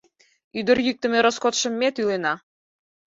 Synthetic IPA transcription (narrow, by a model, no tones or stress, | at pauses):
yd̪ə̆rjyk̚t̪ə̆meɾoskot̪ʃə̆mːet̪ylenɑ